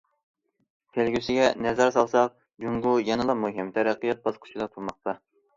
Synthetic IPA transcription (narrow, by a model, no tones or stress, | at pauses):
t̪ʰelɡʲysɪɡʲɛnɛzɛɾsɑlˠsɑq̚ | d͡ʒuŋɡujɛnɨlˠɑmuɦɪmt̪ʰæɾæqːijɑt̪̚bɑsqʰʊ̥t͡ʃʰid̪ɑt̪ʰulmɑq̚t̪ɑ